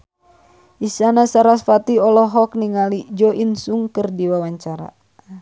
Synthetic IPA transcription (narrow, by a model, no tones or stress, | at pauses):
ʔisanasaɾasfat̪iɔlɔɦɔk̚niŋalid͡ʒɔʔinsuŋkɨrdiwawaɲt͡ʃaɾa̰